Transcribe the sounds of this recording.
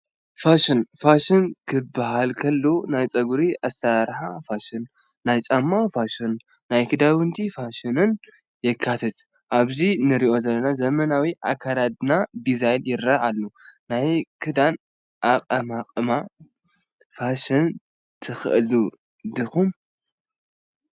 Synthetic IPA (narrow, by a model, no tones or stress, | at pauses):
faʃɪnfaʃɨnkʰɨbːaɦalkʰɐlːonajt͡sʼɐɡuɾiʔast̪aɾħafaʃɪnː | ajt͡ʃʼamːafaʃɨnː | ajkʰɨd̪awɨnt̪ʰifaʃɨnɨn | jɛkʰːat̪ʰɐt̪ | ʔaβzinɨɾiʔo̞zɐlːɐnazɐmɐnawiʔa̰kʰːaɾad̪ɨnad̪izajljɪɾːɐʔalːonajkʰɨd̪an | ʔaqʼɐmaqʼɨma | faʃɨn | t̪ʰɨxɨ̰ʔlu | d̪ɨxum